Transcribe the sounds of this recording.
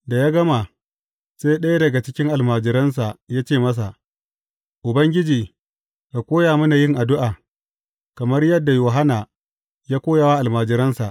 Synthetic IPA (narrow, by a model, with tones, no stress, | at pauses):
da˨jaː˦ɡɐ˦ma˨ | seː˦ɗɐ˦ja˦dɐ˨ɡa˨t͡ʃɪ˦kʲɪ˦ŋʔa˨lmaː˨d͡ʒɪ˨ɾɐ˦ns̬a˨jaː˦t͡ʃeː˦˨mɐ˦s̬a˨ʔ | ʔʊ˨bɐ˦ŋɡʲɪ˦d͡ʒiː˨ | ka˨kʷoː˦jaː˨mɐ˦na˨jɪ˦ŋʔa˨dʊ˦ʔaː˨ | kɐ˨mɐ˦rjɐ˦dːa˨joː˨ɦa˦naː˨ | jaː˦kʷoː˦ja˨waː˦ʔa˨lmaː˨d͡ʒɪ˨ɾɐ˦nsa̰˨ʔ